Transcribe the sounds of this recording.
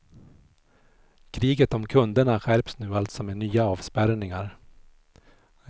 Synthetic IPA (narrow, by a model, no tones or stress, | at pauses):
kʰɾiːɡət̪ɔmkʰɵnd̪əɳaɧæɾpsnʉ̟ːalt̪sɔmenyːaɑːvspæɾnɪŋaɾ